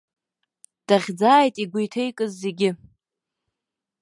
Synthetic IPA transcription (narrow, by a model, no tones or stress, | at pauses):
d̥aʁʲd͡zaːjtʼiɡʷujtʰejkʼɨzːe̞ɡʲɪ